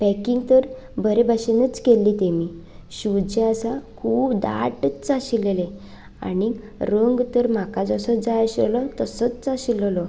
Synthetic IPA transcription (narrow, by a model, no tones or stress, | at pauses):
pɛkiŋɡt̪əɾ | bəɾebʱaɕenət͡skelːiːt̪emi | ɕud͡ʑeəsakʰuːbd̪a̰ʈt͡st͡saɕilele | a̰ni | ɾəŋɡt̪əɾm̤akad͡zəsɔd͡zaəɕəlɔt̪əsət͡st͡saɕiləlɔ